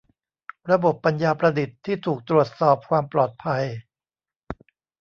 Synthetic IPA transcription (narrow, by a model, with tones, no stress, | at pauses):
ɾa˧bo˨˩pːa˧njaː˧pɾa˧di˨˩t̪ʰːiː˥˩t̪ʰuː˨˩k̚t̪ɾu˨˩ət̪̚sɔː˨˩p̚kʰwaː˧mplɔː˨˩t̪̚pʰa˧j